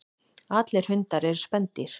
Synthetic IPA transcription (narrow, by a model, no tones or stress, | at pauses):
aːt̪lɛɾ̥hʏnt̪aɾɛɾʏ̥spɛnt̪ɪɾ̥